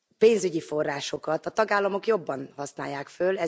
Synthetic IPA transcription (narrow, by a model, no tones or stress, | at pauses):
peːnzyɟifo̞rːaːʃo̞kɒt̪ɒt̪ɒɡaːlːɒmo̞kjo̞bːɒnhɒsna̰ːjːaːkfølɛ